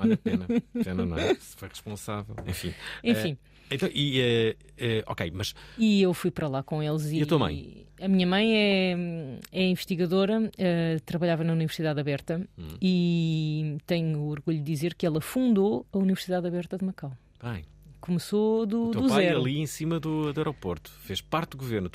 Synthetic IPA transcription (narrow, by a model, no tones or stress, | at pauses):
nɐɛnɐ̰nɐ̰̃sfojʁɨ̥ʃpõsavɛ̰lˠḛ̃fḭ̃ẽfĩ | ẽt̪ɐ̃w̃ʔiɛ | ɛɔ̰kḛjmɐʃiewfujpɐɾɐlˠakõelˠziɐt̪uɐɐmɐ̰̃j̃ɐmiɲɐmɐ̃j̃ɛ | ɛĩvɨʃt̪iɣɐðoɾɐɛt̪ɾɐβɐʎavɐnɐunivɨɾsiðaðɐβɛɾt̪ɐ̃i | t̪ɐɲuɔɾɣuʎud̪ːizeɾkɛlˠɐfũnd̪oɐunivɨɾsiðaðɐβɛɾt̪ɐðmɐkaw | b̥ɐ̃j̃ | kumɨsoðuɐumz̃ɛɾɐlˠiẽsimɐðud̪uɛɾɔpoɾt̪u̥feʃpaɾt̪̚d̪uɣuveɾnu